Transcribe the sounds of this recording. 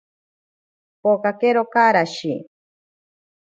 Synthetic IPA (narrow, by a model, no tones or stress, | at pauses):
pokakeɾokaɾaʃi